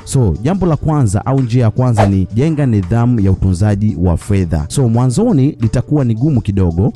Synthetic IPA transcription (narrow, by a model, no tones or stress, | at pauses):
sɔʄambɔlakwanza̰ʔaund͡ʒiajakwanzaniʄɛŋɡaniðamujautunzaʄiwa̰fɛða̰sɔmwanzɔnilitakuwaniɠumukiɗɔɠɔ